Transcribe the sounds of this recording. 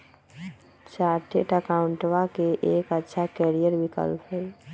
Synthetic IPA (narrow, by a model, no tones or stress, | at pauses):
t͡ʃaːʈʰeʈəkaʊɳʈwakeʔeːkətːʃʰakɛːɾijəɾbikə̰lpɦɛi